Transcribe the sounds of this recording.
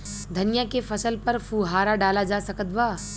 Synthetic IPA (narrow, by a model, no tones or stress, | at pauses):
d̪ʱɐnɪjakefɐsəlpɐɾfuːɦaːɾaɖaːlad͡ʒaːsɐkət̪ʋaː